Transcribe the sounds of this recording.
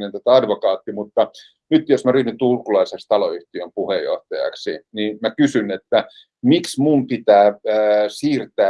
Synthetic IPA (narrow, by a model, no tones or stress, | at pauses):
nent̪æt̪æɑdʋokɑːt̪ːimut̪ːɑ | nyt̪josmæryːnynt̪ulkulɑisekst̪ɑloyht̪iømpuhejːo̰ht̪ɑjɑ̰ksinimækysynet̪ːæ | miksmumpit̪æːsiːrt̪æː